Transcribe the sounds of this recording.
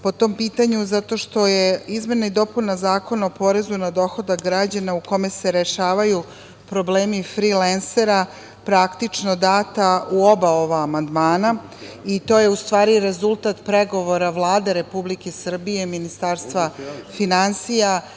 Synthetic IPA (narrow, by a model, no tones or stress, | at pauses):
po̞t̪o̞mpiːt̪aɲuzat̪o̞ʃt̪o̞jeizmenaid̪o̞punazaːko̞naopo̞ɾe̞zunad̪o̞xo̞d̪aɡɾad͡ʑanauko̞me̞se̞ɾeʃaːʋaju | pɾo̞bleːmifɾilense̞ɾa | pɾakt̪it͡ʃno̞d̪aːt̪auo̞bao̞ʋaːmand̪maːna | it̪o̞je̞ust̪ʋaːɾiɾe̞zulˠt̪at̪pɾe̞ɡo̞ʋo̞ɾaʋlˠaːd̪e̞ɾe̞publikesr̩bijeminist̪aːɾst̪ʋafinansija